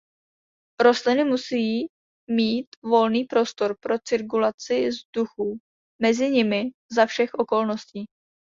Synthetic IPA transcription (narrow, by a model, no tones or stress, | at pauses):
ɾo̞st̪lɪnɪmusijiː | miːt̪vo̞lniːpɾo̞st̪o̞ɾpɾo̞t͡sɪɾk̬ulat͡sɪzduxu | mɛzɪɲɪmɪzafʃɛxʔo̞ko̞lno̞sciː